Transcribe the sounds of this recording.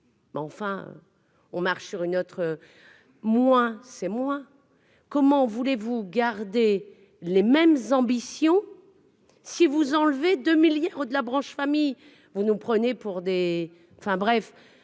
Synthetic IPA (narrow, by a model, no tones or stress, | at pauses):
mɛɑ̃fɛ̃ø̰ | ɔ̃maʁʃsyʁynot̪χə | mwɛ̃sɛmwɛ̃ | kɔmɑ̃vulevuɡaʁd̪e | lemɛmzɑ̃bisjɔ̃ | sivuzɑ̃lved̪ømiljaʁod̪əlabʁɑ̃ʃfamij | vunupχənepuʁd̪e | ɑ̃fɛ̃bʁɛf